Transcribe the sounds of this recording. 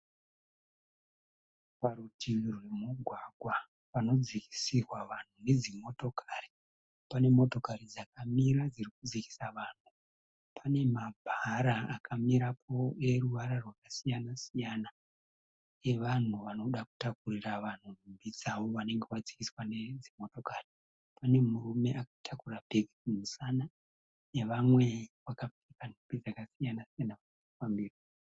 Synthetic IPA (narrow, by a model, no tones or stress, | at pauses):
paɾutʰirwe̞muɡʱwaɡʱwa | pano̞d͡ziki̥sirwaʋan̤une̞d͡zimo̞to̞kʰari | pane̞mo̞to̞kaɾid͡zakamiɾad͡zirikud͡ziki̥saʋaːn̤u | pʰane̞mabʱaɾaakʰamiɾapʰo̞e̞ruʋaɾarwakasijanasijana | e̞ʋan̤uʋano̞ɗaku̥takuriraʋan̤uumbid͡zawo̞ʋane̞ŋɡe̞wad͡zikiswane̞d͡zimo̞to̞kaːri | pane̞murume̞ʔakḁtʰakurabʱeɡʱiumusana | ne̞ʋamwe̞ʋakafikanipid͡zakasijanasijanaʋa | kufambiːra